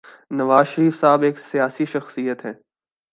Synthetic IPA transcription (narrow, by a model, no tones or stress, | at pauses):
nɐʋaːzʃəɾiːfsaːbeːksijaːsiʃɐxsijət̪ɦɛ̃ː